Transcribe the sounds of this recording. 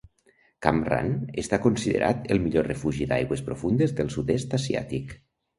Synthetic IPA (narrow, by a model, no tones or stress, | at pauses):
kamra̰nest̪akonsiðḛɾʔa̰t̪elˠmiʎorəfuʒid̪a̰jɣwespɾofund̪ezðəlˠsud̪est̪azia̰t̪ik